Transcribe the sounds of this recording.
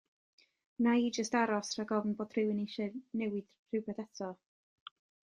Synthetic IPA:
naid͡ʒəstaɾɔsr̥aɡɔvn̩boːd̥rɪwɪniʃɛnɛwɪd̥ | r̥ɪwbɛθɛtʰɔ

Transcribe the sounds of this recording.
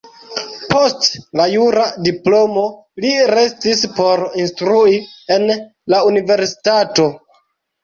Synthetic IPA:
po̞stlajuɾadiplo̞mo̞ | liɾe̞stispo̞ɾinstɾuie̞n | launive̞ɾsi̥tato̞

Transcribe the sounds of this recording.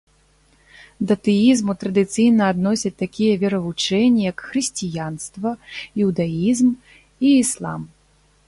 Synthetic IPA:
d̪ɐt̪ɨizmut̪ɾɐd̪ɨt̪sɨjnɐːd̪nɔsʲɐt̪akʲijɐvʲɛɾɐvut͡ʂɛnʲːijɐkxɾɨsʲt͡sʲijanst̪vɐjuwd̪aizm | iːslˠa̰m

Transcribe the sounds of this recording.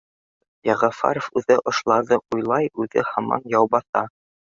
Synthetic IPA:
jɑʁɑfɑ̰ɾofʉðɘʔŏʃlˠɑðɤʔujlˠɑjʉðɘhɑmɑ̰njɑwbɑθɑ

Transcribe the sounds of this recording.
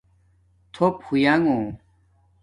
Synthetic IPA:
t̪ʰophujaŋõ

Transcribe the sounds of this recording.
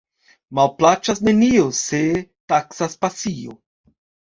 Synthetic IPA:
malplat͡ʃasne̞niose̞taksaspasio̰

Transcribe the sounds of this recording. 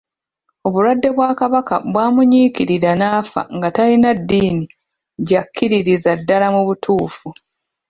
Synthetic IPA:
o̞βulwadːe̞βwaːkaβaka̰βwaːmuɲiːkiɾiɾanaːfa̰ŋɡatalinadːiːni | ɟakʰːiɾiɾizadːalamuβutʰuːfu

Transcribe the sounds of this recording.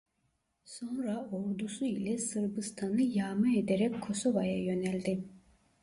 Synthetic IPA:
so̞nɾaoɾd̪usuilʲɛsɯɾbɯst̪ʰanɯjaːmɯed̪eɾɛkʰːo̞so̞vajajø̞nælʲd̪ɪ

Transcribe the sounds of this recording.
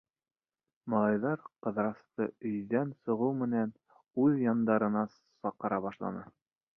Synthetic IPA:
mɑlˠɑjðɑɾqɤ̆ðɾɑst̪ɤɵ̆jðænsŏʁɤwmɘ̆næn | ʉðjɑnd̪ɑɾɤ̆nɑ | sɑqːɤ̆ɾɑβɑʃlˠɑ̰nɤ

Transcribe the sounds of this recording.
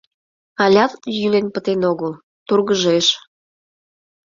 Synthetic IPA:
ɑlʲɑt̪jylenpət̪enoɣəl | t̪urɣəʒeʃ

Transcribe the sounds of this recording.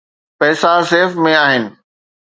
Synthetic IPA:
pɛːsaseːfmẽaːɦɪnɪ̆

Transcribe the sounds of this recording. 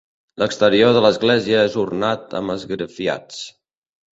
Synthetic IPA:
ləkst̪əɾioðələzɣlɛziəezurnat̪ə̰məzɣɾəfia̰t͡s

